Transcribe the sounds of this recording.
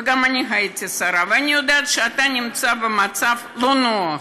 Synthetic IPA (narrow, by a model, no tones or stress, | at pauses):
ɡamanʲiɦajet̪ʲisaɾavɨanʲijod̪ɛat̪ʃɛat̪anʲɪmt͡s̪abɨmat̪saflˠonoɐ